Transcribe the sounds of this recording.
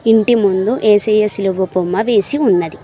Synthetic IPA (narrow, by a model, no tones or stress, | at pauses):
iɳʈimund̪uʔeːsejesiluʋɐpomːɐʋe̞ːsiunːɐd̪i